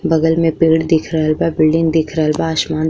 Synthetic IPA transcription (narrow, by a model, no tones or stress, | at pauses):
bɐɡəlmẽpiːɽd̪ɪkʰɾɐɦəlbabɪlɖɪ̃ŋɡd̪ɪkʰɾəəlbaːʃmãːn